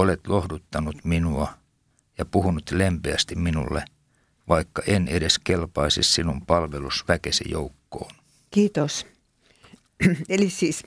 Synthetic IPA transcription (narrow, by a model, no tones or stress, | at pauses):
olet̪lohdut̪ːɑnut̪minuɑ | jɑpuhunut̪lempeæst̪imminṵlːḛ | ʋɑikːɑʔenedeskelpɑisissinumpɑlʋelusʋækesḛjo̰ukːo̰ːn | kiːt̪os | elisiːs